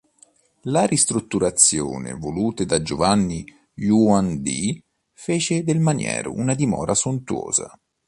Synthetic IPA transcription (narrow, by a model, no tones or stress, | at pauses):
laɾist̪ɾut̪ːuɾat̪sːjo̰ːnɪ̰voluːt̪ed̪ad͡ʒovanːi | juand̪ḭ | feːt͡ʃɪd̪elmanjɛ̰ːɾʊ̰unad̪imɔːɾʔasont̪uoːz̥a̰